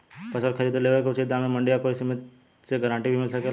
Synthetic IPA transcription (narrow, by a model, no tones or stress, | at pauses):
pɐsəɾkʰəɾiːd̪eleʋəkot͡ʃʰed̪ãmemɐɳɖijakoisemt̪ | seɡəɾãːɳʈibʱimɪlsəke